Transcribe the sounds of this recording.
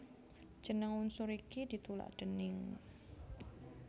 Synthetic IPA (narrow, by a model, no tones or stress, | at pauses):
ʒ̥ə̤nəŋunsuɾikid̪̥i̤t̪ula̰ʔd̥ənɪŋ